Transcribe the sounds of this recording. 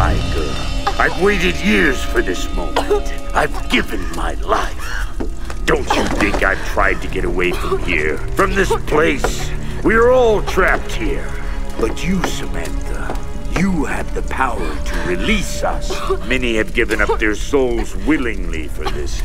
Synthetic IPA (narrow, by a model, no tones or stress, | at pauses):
a̰ɪɡo | aɪvweɪɾɨdjɪɹz̥fə˞ðɪsmõʊ̃mɨ̃ntaɪvɡɪvɨ̃nma̰ɪla̰ɪf | d̥õʊ̃nt͡ʃɨθɪ̃ŋkaɪv̥tʰɹ̥aɪd̚tɨɡɛɾəweɪfɹʌ̃mmhḭɹfɹʌ̃mðɪspʰl̥eɪswiə˞ɔlˠtʰɹ̥æp̚t̚hiɹ | b̥ʌt͡ʃɨsomæ̰̃nkə | jɨɨvðɨpʰaʊə˞ɾʰɨɹilisʌ̰smɛniɨvɡɪvɨ̃nʌp̚ðə˞soʊlˠzwɪlˠɪ̃ŋlḭfə˞ðɪs